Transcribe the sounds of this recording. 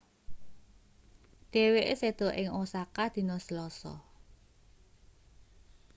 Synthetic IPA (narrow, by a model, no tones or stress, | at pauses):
ɖ̪̥e̤weʔḛsed̪̥ɔ̤ʔɪŋosakad̪̥i̤nɔsəlɔsɔ̰